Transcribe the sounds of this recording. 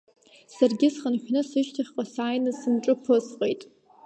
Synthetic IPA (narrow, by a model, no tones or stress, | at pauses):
sarɡʲɪsχənħᶣnɨsɨʃtʰaχʲqʼasaːjnɨsɨmʈ͡ʂʼɨpʰɨsqʼejtʼ